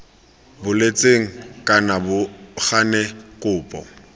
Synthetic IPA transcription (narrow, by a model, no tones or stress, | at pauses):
bʊlet͡sʼeŋ̩kʼanabʊχanɛkʼʊːpʼɔ̰